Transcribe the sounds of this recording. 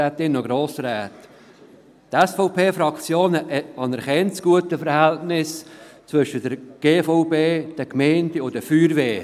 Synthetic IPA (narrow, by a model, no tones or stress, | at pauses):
æːt̪ɪnːəɡɾoːsɾæːt | tɛsfɔʊpʰeːfɾɑkt͡sjoːnəʔɛɑnəɾχɛnt͡sɡ̥uətəfəɾhɛltnɪst͡svʏʃədəɾɡ̥eːfɔʊpeːd̥əkmɛɪndəʊdəfyːɾveː